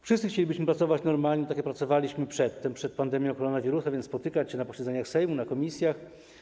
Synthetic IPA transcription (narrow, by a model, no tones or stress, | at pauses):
fʂɨst̪sɘxt͡ɕelʲibɘɕmɘpɾat̪sɔvat͡ɕnɔɾmalɲɛt̪akʲɛpɾat̪sɔvalʲiɕmɘpʂɛt̪ːɛmpʂɛt̪̚pand̪ɛmʲjɔ̃w̃kɔɾɔnavʲiɾusavjɛnspɔt̪ɘkat͡ɕɕɛnapɔɕɛd̪zɛɲaxsɛjmunakɔmʲisʲjax